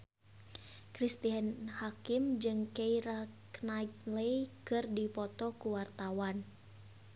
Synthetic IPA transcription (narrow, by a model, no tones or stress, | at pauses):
kɾist̪iɦɛnhakimd͡ʒɨŋkeiɾaknalejkɨrdipɔt̪ɔkuwart̪awan